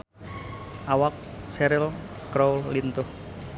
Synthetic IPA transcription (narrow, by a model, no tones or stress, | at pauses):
ʔawak̚sɛɾɪlkɾowlːint̪ʊh